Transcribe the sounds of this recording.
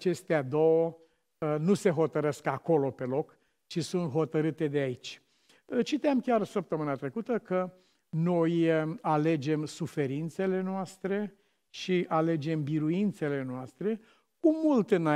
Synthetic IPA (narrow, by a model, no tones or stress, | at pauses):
t͡ʃe̞st̪ead̪o̞wə | nuse̞ɦo̞t̪əɾeskako̞lo̞pe̞lo̞k | t͡ʃisunt̪ɦo̞t̪əɾɨt̪e̞d̪eait͡ʃʲ | t͡ʃit̪eamkʲarsəp̚t̪əmɨnat̪ɾe̞kut̪əkə | no̞jale̞d͡ʒe̞msufe̞ɾint̪se̞le̞noast̪ɾe̞ | ʃiʔale̞d͡ʒe̞mbiɾuint̪se̞le̞noast̪ɾe̞ | kumult̪ɨna